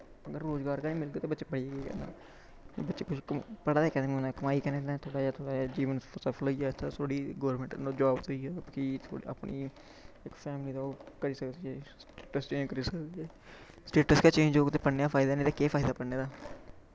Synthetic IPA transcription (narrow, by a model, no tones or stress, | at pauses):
əɡəɾːoːzɡaːɾkaːnĩːmɪld̪eːt̪eːbətːt͡ʃeːpəɽiːeːkekɛ̰ːnd̪a̰ː | mːbətːʃeːkʊt͡ʃʰkpəɽaːɛːkɛ̃nd̪aːmːõnd̪akəmaːiːkənẽːd̪ãt̪ʰoːɽaːjaːt̪ʰoːɽaːd͡ʒiːʋənsəpʰəloiːaːt̪ʰːat̪ʰoːɽiːɡoːɾmə̃ɳʈnoːd͡ʒaːbt̪oiːaːkit̪ʰo̰ːa̰ːpɳʔiː | ɪkpʰɛːmliːd̪aːoːkəɾiːsəkd̪iɛːsʈeːʈəst͡ʃeːd͡ʒkəɾiːsəkd̪iɛː | sʈeːʈəskaːt͡ʃẽːɲd͡ʒd͡ʒoːkt̪eːpəɽneːaːpʰaːɪd̪aːnẽːt̪eːkeːpʰaːɪd̪aːpəɽneːd̪aː